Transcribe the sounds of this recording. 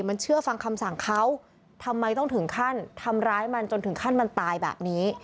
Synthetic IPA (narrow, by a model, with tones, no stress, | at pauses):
ma˧nt͡ɕʰɯ˥˩ɐfa˧ŋkʰa˧msa˨˩ŋkʰa˦˥w | t̪ʰa˧mːa˧jt̪ɔ˥˩t̪ʰɯ˩˦ŋkʰa˥˩nt̪ʰa˧mɾaː˦˥jma˧nt͡ɕo˧nt̪ɯ˩˦ŋkʰa˥˩nma˧nt̪aː˧jbɛ̰ː˨˩p̚niː˦˥